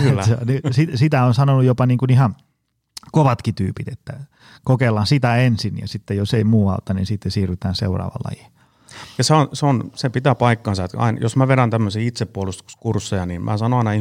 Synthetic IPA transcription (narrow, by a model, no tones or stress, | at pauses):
kːæenisisit̪æonsɑnonujopɑniːŋkunihɑn | koʋɑt̪kit̪y̰ːpit̪et̪ːæ | kokelːˑɑnsit̪æensinjɑ̰sit̪ːejoseimuːɑut̪ːɑninsit̪ːesiːryt̪æːnsḛurɑ̰ːʋɑ̰lːɑ̰ji | jɑseonseonsepit̪æpɑikːɑːnsɑet̪ɑ̰injosmæʋeɾænt̪æmːøsiːit̪seppuolust̪u̥skursːejɑniːmʔæ̰ːsɑnoɑinɑi